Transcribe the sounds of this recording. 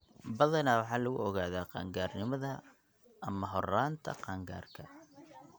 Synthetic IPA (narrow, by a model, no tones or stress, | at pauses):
bɐðɐnaːwɑħɑːlɐɣʊ̰ɔɣaːðaːqɑ̰ːŋɡaːrnɪmɐðɐ | ʔːmɐɦɔraːnt̪ʰɐ̰qɑːŋɡa̰ːrkʰɐ